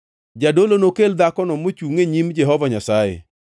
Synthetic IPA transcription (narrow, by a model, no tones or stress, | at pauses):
d͡ʒadolonokeld̪akɔnɔmot͡ʃuŋeɲimd͡ʒɛɦɔvaɲasajḛ